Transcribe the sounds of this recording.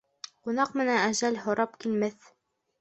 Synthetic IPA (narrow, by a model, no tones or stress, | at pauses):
qunɑqmɘ̆nænæʒælɦŏɾɑpkilmɘθ